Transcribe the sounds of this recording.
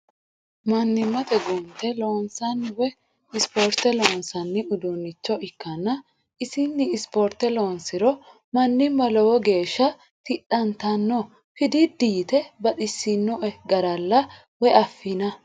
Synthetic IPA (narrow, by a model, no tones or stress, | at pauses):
mɐnːɪmːɐt̪ɛɡʊnt̪ɛloːnsɐnwɛ | ɪspoːɾt̪ɛloːnsɐnːɪʊd̪unːɪt͡ʃːɔɪkːɐnːɐ | ʔɪsɪnːɪɪspoɾt̪ɛloːnsɪɾɔ | mɐnːɪmːɐlɔwɔɡe̞ːʃːɐ | t̪ɪɗɐnt̪ɐnːɔ | fɪd̪ɪd̪iːt̪ɛbɐɗɪsːɪnːɔʔɛɡɐɾɐlːɐ | wɛɐfːɪnɐ